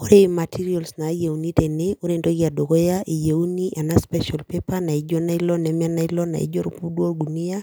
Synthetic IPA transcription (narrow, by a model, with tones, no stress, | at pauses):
o˦ɾema˨tʰi˦ɾiɔ˨lsna˨˦je˨uni˦te˨neo˦ɾe˦ndo˦kia˨do˨ɣɔ˦jaʔi˨je˨uni˦ʔa˨naspɛʃalpepana˨i˦d͡ʒo˦na˦i˦lɔ˦nɛm˦a˦na˦i˦lɔ˦na̰˨ḭ˦d͡ʒo˦ɾupu˦dwo˦ɡuni˦a˦